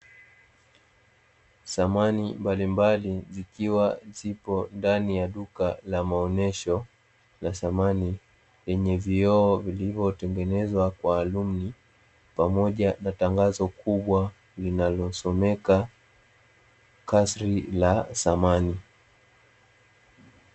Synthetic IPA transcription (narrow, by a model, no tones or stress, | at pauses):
samanimbalimbalizikiwazipɔndanijaɗukalamaɔnɛʃɔ | lasamani | lɛɲɛviɔːvilivɔtɛŋɡɛnɛzwakwaːlumni | pamɔʄanataŋɡazɔkuɓwa | linalɔsɔmɛka | kasɾilasamani